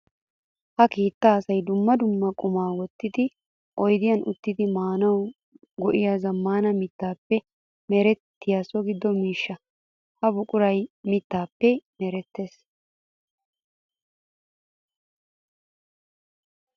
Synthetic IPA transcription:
hɐkiːt̪ːɐːsɐjd̪ʊmːɐd̪ʊmːɐkʼʊmaːwɔt̪ːɪd̪ɪ | ʔɔjd̪ɪjɐnʔʊ̰t̪ːɪd̪ɪmaːnɐw | ɡɔʔɪjazɐmːaːnɐmɪt̪ːaːpːɛ | mɛɾɛt̪ːɪjasɔɡɪd̪ːɔmiːʃːɐ | hɐbʊkʼʊɾɐjmɪt̪ːaːpːɛmɛɾɛt̪ːe̞ːs

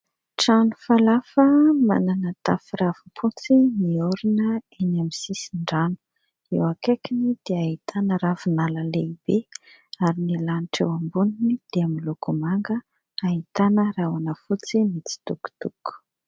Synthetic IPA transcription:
ʈ͡ʂanufalafəma̰nanət̪afiravupʰut͡simioɾinəenamisisiɳɖ͡ʐanu̥ | ewakekinid̪̥eait̪ʰanəɾavunalaleibe | aɾinilanʈ͡ʂewambuninid̪̥eamilukumaŋɡə | aɦit̪anərawanəfut͡simit͡si̥t̪uku̥t̪uku̥

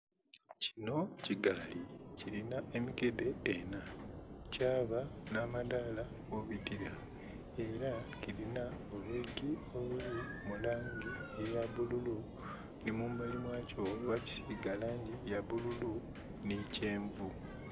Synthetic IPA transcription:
cino̞ciɡalicilinae̞miɡe̞de̞ːnacaːβanamadala | ɡoβitiɾa | e̞ɾacilinaoβeɡio̞βulimulaːŋɡiejaβululu | nimumbalimwaːcoβaci̥siːɡalaːɲɟijaβululu | nice̞ːɱvu

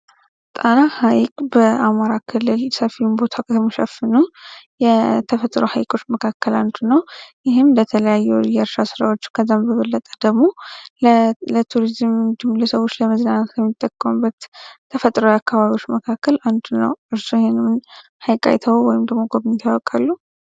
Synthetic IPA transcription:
t̪ʼanahajkʼbəamaɾakʰɨlːɨlsəfinbo̞t̪ʰakʰət̪ʰəmoʃɛfɨnujɛt̪ʰəfət̪ʼɾohajkʼo̞t͡ʃːməkʰakʰːəland̪unəwjɪɦɨmd̪ət̪ʰələjajːɛwjɛɾʃasɨɾa̰wo̞t͡ʃːkʰəzːambəβəlːət̪ʼə̥d̪əɡmo̞llət̪ʰuɾizɨmd̪ɨmləsəwo̞t͡ʃːləməznanat̪kʰəmːit̪ʼːəkʼːəmubːət̪ʰː | əfət̪ʼɾojakːaβaβiwo̞t͡ʃːməkʰakʰːəland̪unə̰wʔɨɾsuhnɨmnhajkʼa̰jt̪ʰəwwɔjɪmd̪əɡmo̞ɡoβnt̪ʰəwɔkʼalːu

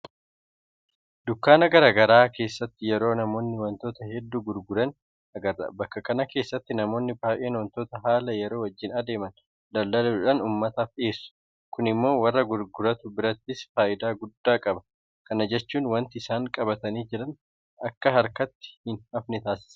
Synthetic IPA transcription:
d̪ʊkːaːnɐɡɐɾaːɡɐɾaːke̞ːsːɐt̪ːɪjɛɾo̞ːnɐmo̞ːnːɪwɐnt̪o̞ːt̪ɐhɛd̪ːuːɡʊɾɡʊɾɐn | ɐɡɐrɐbɐkːɐkɐnɐke̞ːsːɐt̪ːɪnɐmo̞ːnːɪbaːʔeːnwɐnt̪o̞ːt̪ɐɦaːlɐjɛɾo̞ːwɐd͡ʒːɪnɐd̪e̞ːmɐn | d̪ɐlːɐluᶑɐnuːmːɐt̪ɐfeːsːʊ̥ | kʊnɪmːo̞ːwɐrːɐɡʊɾɡʊɾɐt̪ʊbɪɾɐt̪ːɪsfaːʔɪd̪aːɡʊd̪ːaːkʼɐbɐ | kɐnɐd͡ʒɛt͡ʃːuːnwɐnt̪ɪɪsaːŋkʼɐbɐt̪ɐniːd͡ʒɪɾɐn | ɐkːɐɦɐɾkɐt̪ːɪ̥hɪnɐfnɪt̪aːsɪ̥sɐ̥

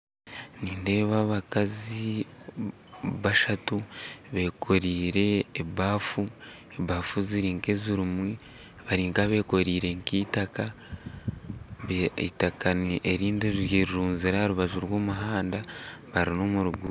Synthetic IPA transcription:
niːnde̞ːβaβakazi | βaʃatuβe̞kʰo̞ɾiːɾe̞ːbaːfu | ebaːfuziɾiːŋke̞ziɾumwi | βaɾiːŋkaβe̞ːko̞ɾiːɾe̞ŋkiːtaka | βeḭtakaniʔeɾiːndiɾiɾjiɾiɾuːnziɾahaɾuβaʒuɾwoːmuɦaːndaβaɾino̞muɾuɡu

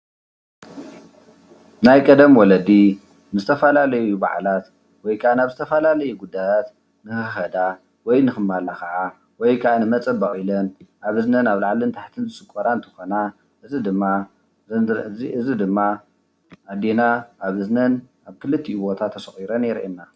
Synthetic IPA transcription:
najkʼɐd̪ɐmwɔlɐd̪i | nɨzɨt̪ʰɐfɐlalɐjuba̰ʕlat̪ | wɔjkʰaʔanaβzɨt̪ʰɐfɐlalɐjuɡud̪ːajat̪ | nɨxɨxɐd̪a | wɔjnɨxɨmːalaxɐʔa | wɔjkʰɐʔanɨmɐt͡sʼɐbaχʼilɐnʔaβɨznɐnaβlaʕlint̪ʰaħt̪ʰɨnzɨsʼɨkʼːoɾant̪ʰɨ̥xo̞na | ʔɨzid̪ɨmːa | ɨzid̪ɨmːa | ʔad̪enaʔaβɨznɐn | aβkʰɨlɨt̪ʰːiβo̞t̪ʰat̪ʰːɐsɐxʼiɾɐnɛɾʔenːa

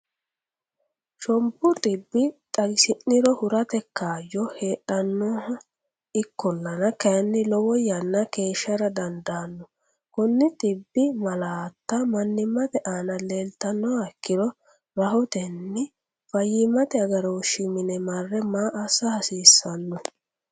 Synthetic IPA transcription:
ʃɔmbʊt̪ʼɪbːɪt̪ʼɐɡɪsɪnːɪɾɔhʊɾɐt̪ɛkːaːjːɔhe̞ːᶑɐnːɔːhɐ | ɪkːɔlːɐnɐkɐjɐnːɪlɔwɔjɐnːɐke̞ːʃːɐɾɐd̪ɐnd̪aːnːɔ | kʊnːɪt̪ʼɪbːɪmɐlaːt̪ːɐmɐnːɪmːɐt̪ɛʔaːnɐle̞ːlt̪ːɐnːɔːhɐkːɪɾɔ | ɾɐɦɔt̪ɛnːɪ | fɐjːɪmːɐt̪ɛɐɡɐɾowʃɪmɪnɛmɐrːɛmaːʔɐsɐhɐsiːsːɐnːɔ

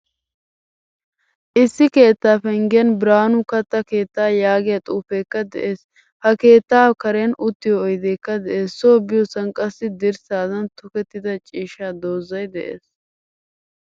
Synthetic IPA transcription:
ʔɪsːɪke̞ːt̪ːaːfɛŋɡɪjɐnbɾaːnʊkɐt̪ːɐke̞ːt̪ːaːjaːɡɪjɐt̪ʼuːfeːkːɐd̪ɛ̰ʔe̞ːs | hɐke̞ːt̪ːaːkɐɾeɐnʔʊt̪ːɪjɔːjd̪eːkːɐd̪ɛʔeːsːoːbɪjɔsɐnkʼɐsːɪd̪ɪɾsaːzɐnt̪ʊkɛt̪ːɪd̪ɐt͡ʃʼiːʃaːd̪oːzːɐjd̪ɛʔḛːs

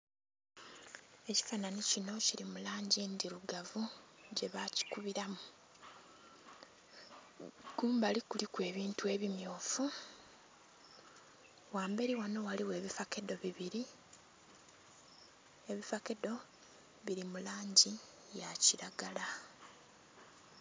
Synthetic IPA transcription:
e̞ci̥fananicino̞ciɾimulaːɲɟindiɾuɡavuɟe̞βaci̥kuβiɾamu | ɡ̥uːmbalikulikwe̞ːβiːntue̞ːβimjoːfu | waːmbe̞ɾiwano̞waliwe̞ːβifakedo̞βiβiɾi | eβifakedo̞ | βiɾimulaːɲɟi | jaciɾaɡala

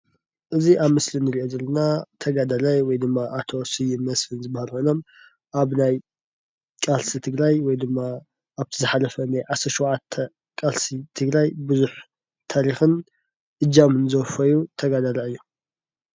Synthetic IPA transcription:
ʔɨziʔaβmɨslinɨɾiʔozɐlɐnat̪ʰɐɡad̪alajwɔjd̪ɨmːaʔat̪ʰo̞sɨjɪmːɐsfɨnzɨbahalhojno̞m | ʔaβnaj | kʼalsit̪ʰɨɡɾajwɔjd̪ɨmːa | ʔːβt̪ʰizɨħalɐfɐnajʕasɐʃuwʕat̪ʰːɐ | kʼalsit̪ʰɨɡɾajbɨzuħ | t̪ʰaɾixɨn | ʔɨd͡ʒamɨnɨzɐfɐjut̪ʰɐɡad̪alaɨjːu

